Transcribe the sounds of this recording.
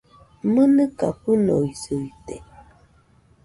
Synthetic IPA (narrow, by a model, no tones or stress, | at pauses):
mənəkapənɔizətɛ